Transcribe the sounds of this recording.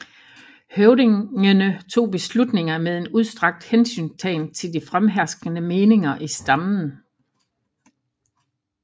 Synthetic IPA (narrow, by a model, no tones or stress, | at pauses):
høʊdeənət͡sʰo̝̰ːb̥e̝slud̥ne̝ŋɐmeðˠe̝nuð̞ˠsd̥ʁɑ̈ɡ̥̚d̥hensy̰ːnt͡sʰɛ̰ɪnt͡sʰe̝ld̥ifʁamɦæɐsɡ̥ənəme̝ːne̝ŋɐʔisd̥ɑ̈mn̩